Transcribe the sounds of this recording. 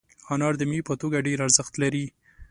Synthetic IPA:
hɑnɑɾd̪əmipət̪oɡaɖeɾaɾzəxt̪laɾi

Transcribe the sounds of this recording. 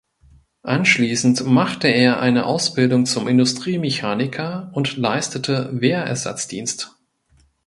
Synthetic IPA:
ʔanʃliːsn̩tmaχtəeːɐʔa̰ɪnəʔaʊsb̥ɪldʊŋt͡sʊmɪndʊstʁ̥iːmɛçaːnɪkʰɐʊntlaɪstətʰəveːɐʔɛ̰ɐza̰t͡sd̥ḭːnst

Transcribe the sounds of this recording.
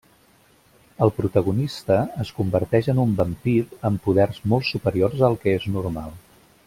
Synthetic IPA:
əlˠpɾut̪əɣunist̪əəskumbəɾt̪ɛʒənumbəmpiɾəmpuðɛrzmɔlˠsupəɾiorzəlˠkɛeznurma̰lˠ

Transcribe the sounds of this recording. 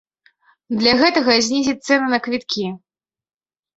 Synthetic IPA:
d̪lʲaɣɛt̪ɐɣɐzʲnʲizʲit̪sɛnɐnɐkvʲit̪kʲi

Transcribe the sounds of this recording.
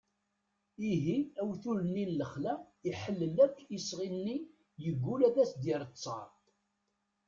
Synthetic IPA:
iɦiæwθuɾənːinləχlæiħəlːəlækːisʁinːi | jəɡːulæðæsd̪iɾˤət͡sˤːɑ̰ɾˤt

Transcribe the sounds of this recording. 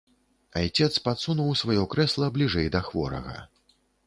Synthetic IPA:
ajt͡sʲɛt̪spat̪sunuwsvajɔkɾɛslˠɐblʲiʐɛjd̪ɐxvɔ̰ɾɐ̰ɣɐ̰

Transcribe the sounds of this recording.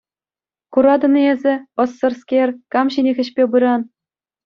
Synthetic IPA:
kuɾɑd̪ɤ̆nezʲɘ̆ɤ̆sːɤ̆rskʲerʲkɑmɕinʲĕɣʲɘ̆ɕpʲebɯɾɑn

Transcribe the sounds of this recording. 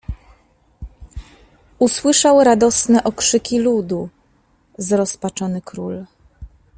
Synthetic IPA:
uswɘʂawɾad̪ɔsnɛʔɔkʂɘkʲilud̪u | zɾɔspat͡ʂɔnɘkɾul

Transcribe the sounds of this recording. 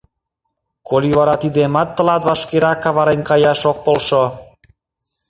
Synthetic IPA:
kʰoliβɑɾɑt̪id̪emɑt̪ːə̆lɑt̪βɑʃkeɾɑkːɑβɑɾenkɑjɑʃok̚polʃo

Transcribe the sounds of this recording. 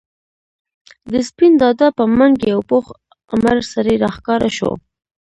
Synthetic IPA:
d̪əspind̪ɑd̪apəmaŋɡeawpox | amaɾsaɾeɾɑxkɑɾaʃo̰

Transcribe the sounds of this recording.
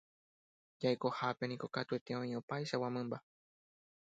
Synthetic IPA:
d͡ʒaeko̞hape̞nĩko̞kat̪ue̞t̪eõĩo̞pajʃawãmẽmba

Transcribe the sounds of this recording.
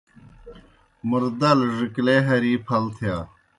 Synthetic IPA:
muɾd̪ɐlʐikleɦɐɾiːpʰɐlt̪ʰjaː

